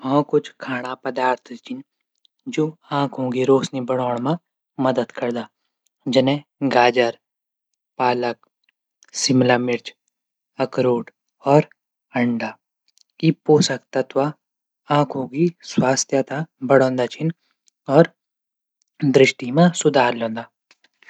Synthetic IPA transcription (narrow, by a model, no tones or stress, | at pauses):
ɦɔ̃ːkʊt͡ʃʰkʰaːɽ̃apɐd̪aːɾt̪ʰt͡ʃɪn | d͡ʒoːãːkʰɦõːŋɡiɾoːsnibɐɽɔːɽ̃mã | mɐd̪əd̪kɐɾd̪aː | d͡ʒɐnẽɡaːd͡ʒəɾ | paːlək̚ | sɪmlaːmɪɾt͡ʃ | ɐkɾoːʈ | ɔːɾ | ɐ̃ɳɖaː | ipoːsəkt̪at̪wa | ãːkʰɦoːɡiswaːst̪ʰjat̪abɐɽõːnd̪at͡ʃʰɪn | ɔːɾ | d̪ɾɪʃʈimãsʊd̪ʱaːɾlõːnd̪aː